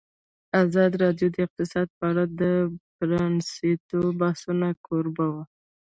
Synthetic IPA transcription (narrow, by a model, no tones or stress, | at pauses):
azɑd̪ɾɑd̪jod̪əɪq̚t̪ɪsɑd̪̚pəaɽad̪əpɾɑnsit̪obɑsunakʰoɾbawa